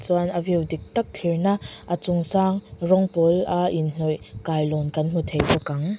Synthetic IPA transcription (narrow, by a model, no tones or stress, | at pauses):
t͡suanʔəviwdik̚t̪ɐk̚t̪ʰirnaʔʔət͡sʊŋsaːŋrɔŋpɔlʔaʔinn̥ujkaːjlɔnkɐnm̥ut̪ʰejvɔkɐŋ